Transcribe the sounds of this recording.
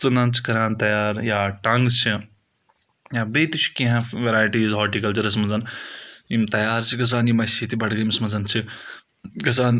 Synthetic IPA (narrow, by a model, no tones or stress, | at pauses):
t͡sɨnaːnt͡ʃʰi̥kɐɾaːnt̪ɐjaːɾjaːʈɐŋɡst͡ʃʰi | jaːbeːt̪it͡ʃʰi̥kĩɦẽʋeɾaːjʈiːzɦɔːʈikɐlt͡ʃiɾɐs̬mɐzɐnjimt̪ɐjaːɾt͡ʃʰikɐs̬aːnjimɐsit̪ʰibɐʈʰɡɐjmismɐzɐnt͡ʃʰi | kɐs̬aːn